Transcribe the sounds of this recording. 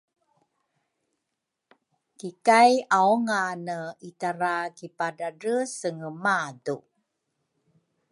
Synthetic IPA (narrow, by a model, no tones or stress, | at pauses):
kikajaoŋanəitaɾakipadarəsəŋəmadu